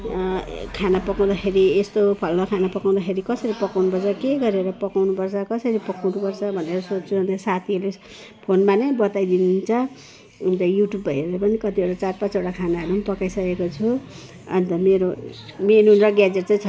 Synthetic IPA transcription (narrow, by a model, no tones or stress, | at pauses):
kʰanapʌkaw̃d̪axʰeɾiest̪opʰʌlnʌkʰanapʌkaw̃d̪axʰeɾikʌsʌɾipʌkawnupʌrt͡sʰʌkeɡʌɾeɾʌpʌkawnupʌrt͡sʰʌkʌsʌɾipʌkawnupʌrt͡sʰʌbʱʌneɾʌsot͡st͡sʰuʌnt̪ʌsat̪ʰile | pʰonmanʌjbʌt̪ajd̪inunt͡sʰʌ | unt̪ʌjuʈjubʱːʌjlepʌnikʌt̪ieʈat͡sarpat͡soɽakʰanaɦʌɾumpʌkajsʌkekot͡sʰu | ʌ̰nt̪ʌmeɾomenunrʌɡjad͡zeʈ̚t͡saj̃t͡sʰʌ